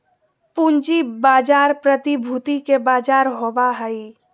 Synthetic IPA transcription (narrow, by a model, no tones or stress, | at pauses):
pund͡ʒibaːd͡ʒaːɾpɾət̪ibʱuːt̪ikebaːd͡ʒaːɾɦobaɦəi